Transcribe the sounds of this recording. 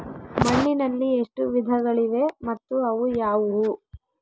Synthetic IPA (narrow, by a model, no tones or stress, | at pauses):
mɐɳːinɐlːieʂʈuʋid̪ʱɐɡɐɭiʋe̞mɐt̪ːuɐʋujaːʋuu